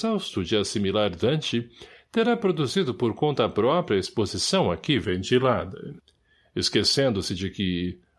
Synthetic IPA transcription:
sawst̪ʊd͡ʒɪasimilaɾid̪ɐ̃t͡ʃɪt̪eɾapɾod̪uzid̪ʊpoɾkõnt̪ɐːpɾɔpɾiɐespozisɐ̃w̃akivẽnt̪ilad̪ɐ | ɪskesẽnd̪ʊsɪd͡ʒɪkɪ

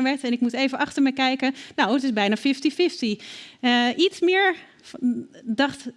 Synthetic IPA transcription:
ʋɛɹtɛnɪk̚mutejvənʔɑχtəɹmɛjkɛjkənowətɪsbɛjnafɪftifɪfti | ʔitsmɪəɹ | dɑχt

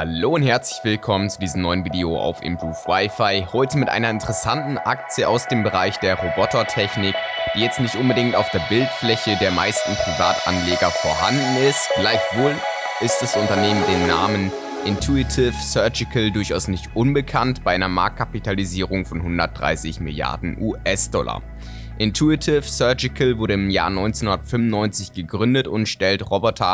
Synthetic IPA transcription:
haloːʊntɦɛɐt͡slɪçv̥ɪlkʰɔmənt͡sudiːzəmnɔʏənviːdeoʔa̰ʊfɪ̰mbuːfwaɪfaɪhɔʏtəmɪtʔa̰ɪnɐɪntəʁɛsantn̩ʔa̰k̚t͡sjəʔaʊsd̥eːmbəʁaɪçd̥eːɐʁobɔtɐtʰɛçnɪkd̥iːjɛt͡stnɪçtʔʊnbədɪŋtaʊfd̥eːɐbɪltflɛçədeːɐma̰ɪstn̩pʁ̥iva̰ːtʔa̰nleːɡɐfoːɐha̰ndn̩ɪstɡ̥laɪçv̥oːlʔɪstd̥asʔʊntɐneːməndeːnːa̰ːmən | ʔɪntʰuɪtʰɪfsœɐd͡ʒɪkʰəldʊɐçaʊsnɪçtʔʊnbəkʰantb̥aɪʔaɪnɐma̰ɐkt̚kʰapitʰaliziːʁ̞ʊŋfɔnhʊndɐt̚d̥ʁa̰ɪsɪ̰çmɪ̰lja̰ɐdn̩ʔuːʔɛsd̥ɔlɐ̰ | ʔɪntʰuɪtʰɪfsœɐd͡ʒɪkəlvʊɐɾəɪmja̰ːɐnɔʏnt͡senhʊndɐtfʏmʊnːɔʏnt͡sɪçɡ̥əɡʁʏndətʊntʃtɛltʁɔbɔtʰɐ

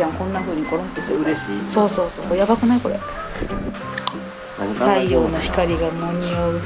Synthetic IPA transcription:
ãŋkõ̞nːaɸɯ̟ːɲ̟ikoɾõ̥t̪ːesɾeiso̞ːso̞ːso̞ːkojabakɯ̟naiko̞ɾḛ | t̪aijoːnaçi̥kaɾʲiɡanoɲ̟ioɯ̟

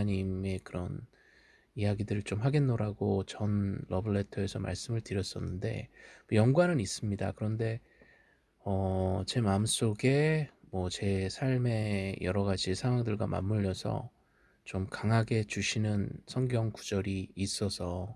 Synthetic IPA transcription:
ɲime̞kɯɾʌn | ijaɡidɯɾɯɭt͡ɕomɦaɡenːoɾaɡot͡ɕʌnlʌbɯɭːe̞tʰʌe̞sʰʌma̰ɭs͈ɯmɯɭtɯɾjʌs͈ʌnːɯnde̞̰ojʌŋɡwanɯnis͈ɯmɲida̰kɯɾʌnde̞ | ʌt͡ɕe̞maɯms͈oɡe̞mwʌt͡ɕe̞sʰaɭme̞jʌɾʌɡad͡ʑisʰaŋɦwaŋdɯɭɡwa̰mʔa̰mːuʎːʌsʰʌ̰ | t͡ɕomkaŋɦaɡe̞t͡ɕuɕʰinɯnsʰʌŋɡjʌŋku̥d͡ʑʌɾiːs͈ʌsʰʌ

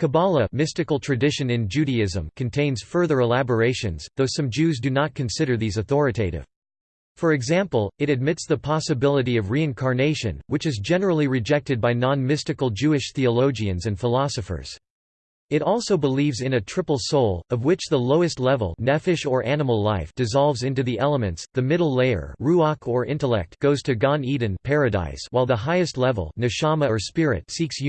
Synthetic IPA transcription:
kʰɨbɑlˠəmɪstɨkl̩ˠtʰɹ̥ɨdɪʃɨ̃nɨ̃nd͡ʒʉɾiɪzə̰̃mkʰɨ̃n̩tʰẽɪ̃nz̥fɜ˞ðə˞əlæbə˞eɪʃɨ̰̃nz̥ðoʊsʌ̃md͡ʒʉzdɨnət̚kʰɨ̃n̩sɪɾə˞ðizɨθɔɹɨtʰeɪɾɪ̰v̥ | fə˞ɨɡzæ̃mpl̩ˠɨɾɨd̚mɪtsðəpʰɑsɨbɪlˠəɾiʌvɹiɨ̃nkʰɑɹneɪʃɨ̰̃nwɨt͡ʃɨzd͡ʒɛnə˞l̩ˠiɹɨd͡ʒɛk̚tɨd̚baɪnɑ̃nmɪstɨkl̩ˠd͡ʒʉɨʃθiəloʊd͡ʒiɨ̃nzɨ̃nfəlɑsɨfə̰˞z̥ | ɨɾɔlˠsoʊbəlivzɨ̃nɨtʰɹ̥ɪpl̩ˠsoʊlˠʌvwɪt͡ʃðəloʊɨstˡlɛvl̩ˠnɛfɨʃə˞ʔænəml̩ˠlaɪfd̥ɨzɑlˠvzɪ̃ntʉðiʔɛlˠəmɨ̃ntsðɨmɪɾl̩ˠleɪə̰˞ɹuɑkʰə˞ʔɪ̰̃ntəlɛ̰k̚t̚ɡ̥oʊz̥tʰɨɡɑ̃nidⁿn̩pʰɛɹɨda̰ɪswaɪlˠðəɦaɪɨstˡlɛvl̩ˠnɨʃɑməə˞spɪɹɨ̰tsiks

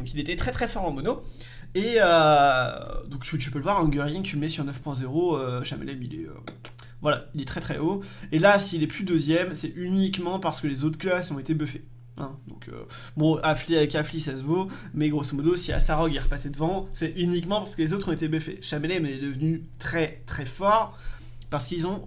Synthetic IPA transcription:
d̪ɔ̃kilet̪ɛt̪χɛt̪χɛfɔʁɑ̃mɔno | eø | d̪ɔ̃kt̪yt̪ypøləvwaʁɑ̃ɡœʁjiŋt̪yləmɛsyʁnœfpwɛ̃zeʁoøʃamɛ̰lɛmilɛ̰ø̰ | vwalailɛt̪χɛt̪χɛ̰oelasiːlɛpyd̪øzjɛmsɛʔynikmɑ̃paʁsə̥kəlezot̪χklasɔ̃et̪ebøfe | ɛ̰̃d̪ɔ̃kʰø̰ | bɔ̃afliavɛkaflisasəvomɛɡʁosomɔd̪osia̰saʁɔɡɛʁəpasɛd̪əvɑ̃sɛʔynikmɑ̃paʁsə̥kəlezot̪χɔ̃et̪ebøfḛʃamɛlɛmɛd̪əvnyt̪χɛt̪χɛfɔʁ | paʁsə̥kilzɔ̃

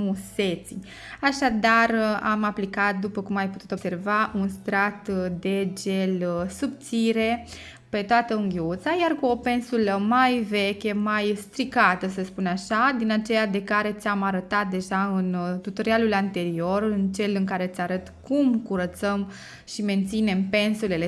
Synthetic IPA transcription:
muse̞t̪si | aʃad̪ara̰maplikat̪̚d̪upəkumajput̪u̥t̪o̞bse̞rvaunst̪ɾat̪d̪e̞d͡ʒe̞lsub̚t̪siɾe̞ | pe̞t̪oat̪əuŋɡʲiut̪sajarkuo̞pe̞nsuləmajve̞kʲemajst̪ɾikat̪əsəspunaʃad̪inat͡ʃe̞jad̪e̞kaɾe̞t̪sʲamaɾət̪at̪̚d̪e̞ʒaɨnt̪ut̪o̞ɾialulant̪e̞ɾio̞rɨnt͡ʃe̞lɨŋkaɾe̞t̪sʲaɾət̪kumkuɾət̪səm | ʃime̞nt̪sine̞mpe̞nsule̞le

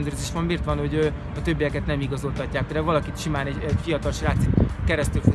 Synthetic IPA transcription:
nd̪øːɾzeːʃʋɒmbiːrt̪ʋɒnho̞ɟø | ɒt̪ø̞bːijɛkɛt̪nɛmiɡɒzo̞lt̪ɒcːaːkd̪ɛvɒlɒkit̪ʃimaːnɛɟɛɟfijɒt̪ɒlʃraːt̪sit̪kɛɾɛst̪ylf

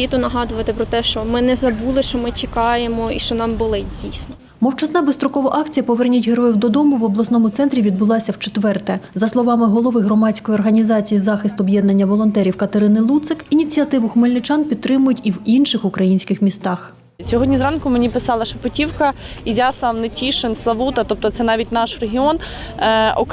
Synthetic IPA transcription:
it̪ʊnɐɦɑd̪ʊʋɐt̪ɪpɾɔt̪ɛʃt͡ʃɔmɪnɛzɐbulˠɪʃt͡ʃɔmɪt͡ʃɪkɑjemɔiʃt͡ʃɔnɑmbʊlˠɪdʲijsʲnɔ | mɔwt͡ʃɐsnɑbest̪ɾɔkɔʋɐʔɑkt͡sʲijɐpɔʋɛrnʲutʲɦeɾɔjiwd̪ɔd̪ɔmʊʋɔblˠɐsnɔmʊt̪sɛnt̪ɾʲiʋʲid̪̚bʊlˠɑsʲɐwt͡ʃet̪ʋɛrt̪ɛzɐslˠɔʋɑmɪɦɔlˠɔʋɪɦɾɔmɑt͡sʲkɔjiɔrɦɐnʲizɑt͡sʲijizɑxɪst̪ɔbjɛd̪nɐnʲːɐʋɔlˠɔnt̪ɛɾʲiwkɐt̪eɾɪnɪlˠut̪sɪkinʲit͡sʲiɐt̪ɪʋʊxmelʲnɪt͡ʃɑnpʲid̪t̪ːɾɪmʊjʊtʲiwinʃɪxʊkɾɐjinʲsʲkɪxmʲist̪ɑx | sʲɔɦɔdʲnʲizɾɑnkʊmenʲipɪsɑlˠɐʃɐpɔtʲiwkɐ | izʲjaslˠɑwnɪtʲiʃɪnslˠɐʋut̪ɐt̪ɔp̚t̪ɔt̪sɛnɑʋʲitʲnɑʃreɦʲiɔn | ɔk

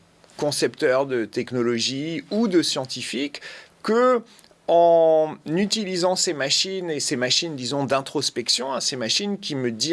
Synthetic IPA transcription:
kɔ̃sɛpt̪œʁd̪ət̪ɛknɔlɔʒiud̪əsjɑ̃t̪ifikː | ə | ɑ̃nyt̪ilizɑ̃semaʃinesemaʃind̪izɔ̃d̪ɛ̃t̪χɔspɛksjɔ̃ɛ̃semaʃinkʲiməd̪i

